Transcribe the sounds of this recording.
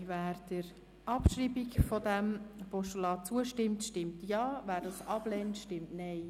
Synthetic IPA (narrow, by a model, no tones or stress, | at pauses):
væːɾd̥əɾ | ʔɑpʃɾiːbikfɔdæmpɔʃtolɑːt͡suəʃtɪmtʃtɪmtjɑːvæːɾdɑsɑblɛːntʃtɪmtnɛɪ